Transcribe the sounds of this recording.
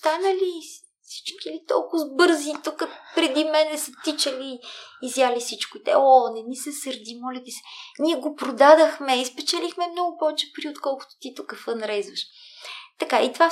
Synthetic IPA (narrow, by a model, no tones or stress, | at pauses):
st̪anəli | fsi̥t͡ʃkilit̪ɔ̰lˠkʊzbɤɾzit̪ukəpɾɛd̪imɛnɛsət̪it͡ʃɐliːzjalifsit͡ʃkʊit̪ɛ̰ɔnɛmisɛsɐɾd̪imɔlʲɛt̪isɛ̥niɛɡopɾod̪ad̪əxmɛispɛt͡ʃɛlixmɛmnɔɡʊpɔvɛt͡ʃɛ̥pɾiot̪kɔlˠkʊ̥t̪ʊ̥t̪it̪ukəfənɾɛzvəʃt̪ɐkait̪va